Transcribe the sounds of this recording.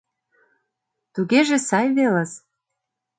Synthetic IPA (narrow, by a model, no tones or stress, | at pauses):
t̪uɣeʒĕsɑjβelə̆z